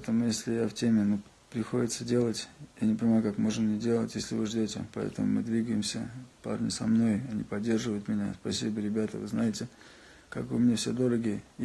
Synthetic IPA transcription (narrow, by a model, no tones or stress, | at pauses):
t̪əmʊjesʲlʲɪjaftʲemʲɪnu | pɾʲɪxo̞dʲɪt̪sədʲe̞lˠətʲjanʲɪpənʲɪmajʊkakmo̞ʐɨnnʲɪdʲe̞lˠətʲjesʲlʲɪvɨʐdʲotʲɪ̰pɐɛ̰t̪əmʊ̰mɨ̰d̪vʲiɡəjɪmsʲə̰pa̰rnʲɪ̰sɐmno̞jɐnʲipɐdʲːe̞rʐɨvəjʊt̪mʲɪnʲaspɐsʲibəɾʲɪbʲat̪ə̰vɨznajɪtʲɪ | ka̰kɨmʲnʲefsʲed̪o̞ɾəɡʲɪjə